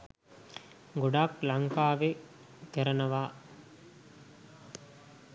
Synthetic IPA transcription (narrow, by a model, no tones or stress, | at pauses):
ɡuɖaːklɐŋkaːʋe | k̪eɾɐnɐʋaː